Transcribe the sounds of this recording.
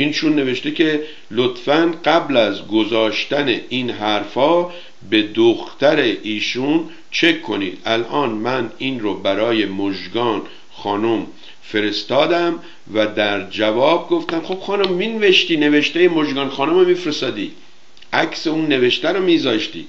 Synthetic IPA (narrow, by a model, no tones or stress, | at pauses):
ʔinʃunːe̞ve̞ʃt̪ecʰe | lot̪fænɢæblæzɡozɒːʃt̪æneʔinɦæɾfɒː | be̞d̪oxt̪æɾeʔiːʃun | t͡ʃʰe̞kʰːo̞nḭːd̪̥ælʔɒːnmæniːnɾobæɾɒːje̞moʒɡɒːn | xɒːnom | fe̞ɾe̞st̪ɒːd̪æm | væd̪æɾd͡ʒævɒːb̚ɡo̞ft̪æmxob̥xɒːnomːinveʃt̪iːne̞veʃt̪ejemoʒɡɒːnxɒːnomemifɾest̪ɒːd̪iː | ʔækseunːe̞ve̞ʃt̪æɾomiːzɒːʃt̪ḭː